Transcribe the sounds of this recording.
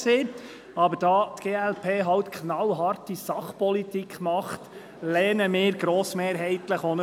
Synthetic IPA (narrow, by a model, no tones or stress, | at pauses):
seː | ɑbəɾd̥ɑːt̪ɡ̥eːɛlpʰeːɦɑwt̪kʰχnɑwɦɑrtisɑχpɔlit̪ikχmɑχt̪ | lɛːnəmɪːɾɡɾɔːsmeːɾɦɛɪt̪ləχɔnə